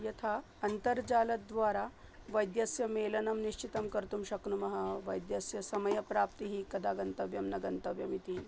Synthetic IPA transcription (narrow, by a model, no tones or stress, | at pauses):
jɐt̪ʰa | ɐnt̪əɾd͡ʑaːlɐd̪ʋaːɾa | ʋɐjd̪jɐsjɐmeːlɐnɐmniɕt͡ɕit̪ɐmkɐɾt̪umɕɐknumɐɦɐʋɐjd̪jɐsjɐsɐmɐjɐpɾapt̪iɦiːkɐd̪aɡɐnt̪ɐʋjɐmnɐɡɐnt̪ɐʋjɐmit̪i